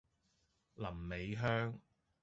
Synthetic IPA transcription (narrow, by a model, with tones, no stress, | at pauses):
lɐ˨˩mːe˨˧jɦœː˥ŋ